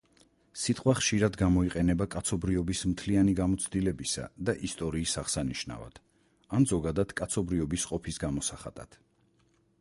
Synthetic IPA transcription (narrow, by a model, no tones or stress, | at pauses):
sit̪ʼqʼwaχʃiɾad̪ɡamɔiqʼɛnɛbakʼat̪sʰɔbɾiɔbismt̪ʰlianiɡamɔt̪sʰd̪ilɛbisa̰d̪aʔist̪ʼɔɾiːsaʁsaniʃna̰va̰d̪̥ | anzɔɡad̪ad̪̥kʼat̪sʰɔbɾiɔbisqʼɔpʰisɡamɔsaχa̰d̪̥a̰t̪